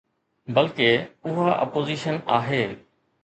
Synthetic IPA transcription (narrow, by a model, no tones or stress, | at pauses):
bɐlkeʊɦaʔɐ̰poːziːʃənaːɦeː